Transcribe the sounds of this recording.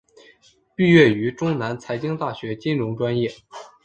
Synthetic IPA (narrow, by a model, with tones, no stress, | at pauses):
py˥˧ɥɛ˥˩y˧˥ʈ͡ʂʊ˥ŋna˧˥nt͡sʰa˧˥ɪt͡ɕi˥ŋt̪a˥˩ɕɥɛ˧˥t͡ɕi˥nɻʊ˧˥ŋʈ͡ʂwa˥njɛ˥˩